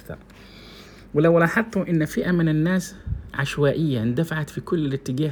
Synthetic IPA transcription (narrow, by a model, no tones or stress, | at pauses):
t̪ɑ̰ɾˤ | wɪlawlɑħɑt̪ˤːuʔɪnːfɪʔamɪnɪnːaːsʕaʃwaːʔɪjːand̪afaʕat̪fikʊlːɪɪt̪ːɪɡaː